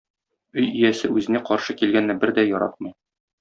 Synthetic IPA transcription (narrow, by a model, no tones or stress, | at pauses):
ɵjĭjæsɘʉzɘ̆næqɒɾʃɤkilɡænːæbɘɾd̪æjɒɾɑ̰t̪̚mɤj